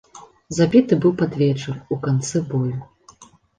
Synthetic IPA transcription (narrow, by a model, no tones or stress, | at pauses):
zabʲit̪ɨbɨwpad̪vʲɛt͡ʂɨrukant̪sɨbɔlʲu